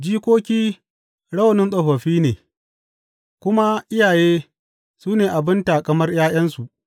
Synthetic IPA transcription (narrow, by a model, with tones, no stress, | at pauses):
d͡ʒiː˦kʷoː˦kʲiː˦ | ɽɐ˦wnɪ˦nsʼɐ˨ɸɐ˨ɸiː˦neː˨ | kʷʊ˦ma˦ʔɪ˦jaː˨jeː˦ | suː˦neː˨ʔa˨bɪ˦nta˨kɐ˦mɐ˦rjaː˦j̰ɐ˦nsu˨ʔ